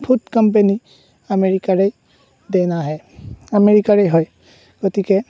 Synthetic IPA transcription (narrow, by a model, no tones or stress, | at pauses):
pʰutkɔmpeni | ameɹikaɹej | dɛnaɦɛ | ameɹikaɹejɦɔj | ɡ̥otikɛ